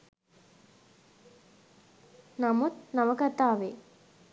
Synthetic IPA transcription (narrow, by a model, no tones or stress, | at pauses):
namut̪naʋəkat̪aːʋe